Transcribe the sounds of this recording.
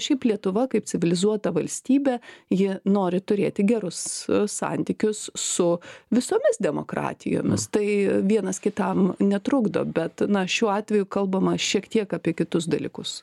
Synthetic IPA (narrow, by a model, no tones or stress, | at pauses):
ʃʲɛɪplʲiɛt̪ʊʋɐkɐɪpt͡sʲɪʋʲɪlʲɪzuɔt̪ɐʋɐlʲsʲt̪ʲiːbʲɛjɪnoːɾʲɪt̪ʊɾʲeːt̪ʲɪɡʲɛɾʊsːɑ̰nʲt̪ʲiːkʲʊssʊʋʲɪsoːmʲɪsd̪ʲɛmo̰kɾɑ̰ːt̪ʲɪ̰jo̰ːmʲɪ̰st̪ɐɪʋʲiɛnɐskʲɪt̪ɐmnʲɛt̪ɾʊɡd̪o̰ːbʲɛt̪nɐʃʲuːɑːt̪ʲʋʲɛjʊkɐlˠbɐmɐʃʲiɛkt̪ʲiɛkɑːpʲiɛkʲɪt̪ʊs̬d̪ɐlʲḭkʊs